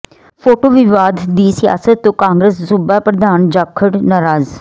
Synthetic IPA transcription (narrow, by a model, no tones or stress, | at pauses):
pʰoːʈoːʋɪʋaːd̪ːiːsɪja̰ːsət̪ːõːkãːŋɡɾəssʊbapɾəd̪aːnd͡ʒaːkʰːəɽnaːɾaːz